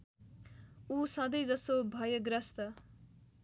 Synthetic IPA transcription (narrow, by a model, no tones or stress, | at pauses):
usʌ̃d̪ʌjd͡zʌst̪obʱʌjʌɡɾʌst̪ʌ